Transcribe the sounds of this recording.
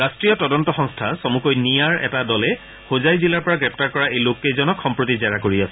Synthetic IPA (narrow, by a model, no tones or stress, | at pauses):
ɹastɹijɔtɔdɔntɔxɔ̃ŋstʰasomukojnijaɹɛ̰tadɔlɛ | xozajzilaɹpɔɹaɡɹɛp̚ʰtaɹkɔɹaejlokːezɔnɔkxɔmpɹotizɛɹakoɹiasɛ